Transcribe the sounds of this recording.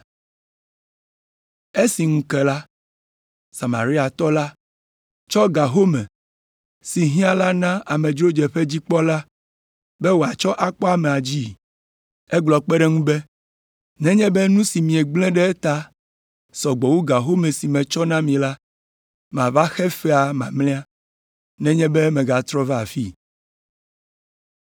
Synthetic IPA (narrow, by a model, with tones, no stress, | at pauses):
e˦si˨ŋũ˦kɛ˨la˦ | sa˨ma̰˨ɾi˦a˨t̪ɔ˦la˦ | t͡ʃɔ˦ɡa˨ɦo˦mɛ̰̃˨ | si˨ɦĩ˦a˦la˦nã˦a˨mɛ̃˨d͡ʒɾo˦d͡ʒɛ˨ɸe˦d͡ʑi˦k͡pɔ˦la˦ | bɛ˦wo˨a˨t͡ʃɔ˦ʔa˦k͡pɔ˦a˦mẽ˨a˨d͡ʑi˦˨ | ɛ˦ɡ͡blɔ˨k͡pɛ˦ɖɛ˦ŋũ˦bɛ˦ | nɛ̃˦ɲɛ̃˦bɛ˦nũ˦si˨mĩ˨e˨ɡ͡blɛ̃˦ɖɛ˦e˦t̪a˦ | sɔ˨ɡ͡bɔ˨wu˦ɡa˨ɦo˦me˨si˨mɛ̃˨t͡ʃɔ˦nã˦mĩ˨la˦ | mã˨va˦xɛ˦fɛ˦a˨mã˨mlɛ̃˦a˦ | nɛ̃˦ɲɛ̃˦bɛ˦mɛ̃˨ɡa˨t̪ɾɔ˦ve˦a˨fi˦